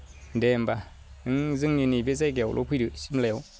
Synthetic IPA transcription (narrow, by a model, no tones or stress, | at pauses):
dɛmba | ɯŋzɨŋɲinibezajkɛwlʔo̰pʰɯdɯsimlɛw